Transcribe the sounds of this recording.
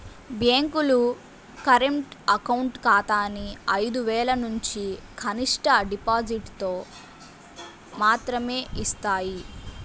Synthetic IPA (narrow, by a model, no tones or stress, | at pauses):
bjaːŋkulu | kɐɾeɳʈɐkɐwɳʈkaːt̪aːniɐjd̪uʋɛːlɐnuɲt͡ʃikʰɐniʂʈɐɖipaːd͡ʒiʈt̪oː | maːt̪ɾɐme̞ːist̪aːji